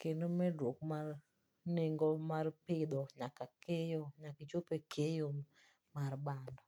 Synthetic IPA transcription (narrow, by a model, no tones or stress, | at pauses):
kenomɛdwokmar | neŋɡɔmarpɪd̪ɔɲakakejoɲakit͡ʃopekʰejom | marbandɔ